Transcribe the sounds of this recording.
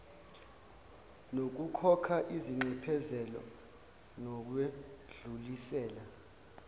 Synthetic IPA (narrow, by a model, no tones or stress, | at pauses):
nok̬ukʰɔkʰaʔiziŋ͡ǀɛpʰɛzɛlɔ̰ | nɔk̬weɮulisɛːla